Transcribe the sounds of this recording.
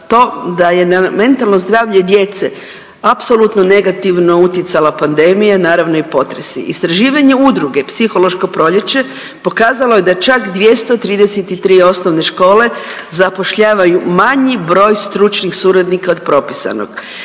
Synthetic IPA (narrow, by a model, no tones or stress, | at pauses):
t̪o̞ːd̪aje̞name̞nt̪alˠnozd̪ɾaːʋʎe̞d̪je̞t̪se | apso̞lˠut̪no̞ne̞ɡat̪iʋno̞ut̪jet̪salapand̪e̞mijanaːɾaʋno̞ipo̞t̪ɾe̞sḭʔist̪ɾaʒiːʋaɲe̞ud̪ɾuɡe̞psixo̞lo̞ʃko̞pɾo̞ʎe̞t͡ɕe̞ | po̞kaːzalo̞je̞d̪at͡ʃakd̪ʋje̞st̪ot̪ɾiːd̪eset̪it̪ɾiːo̞sno̞ʋne̞ʃko̞ːle̞ | zapo̞ʃʎaːʋajumaɲibɾo̞ːjst̪ɾut͡ʃnixsuːɾad̪nikaod̪pɾo̞pisa̰no̰ɡ̥